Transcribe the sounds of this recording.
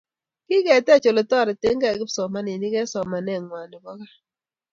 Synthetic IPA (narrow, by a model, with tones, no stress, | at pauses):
kɪ˦kɛ˨tɛ˦˨t͡ʃo˨le˨tɔ˦˨ɾɛ˨te˦ŋɡa˦˨ɡɪ˦psɔ˨ma˦ni˨ni˦kɛ˦sɔ˨ma˨nɛ˦˨ŋwa˨nɪ˨bɔ˦ka˦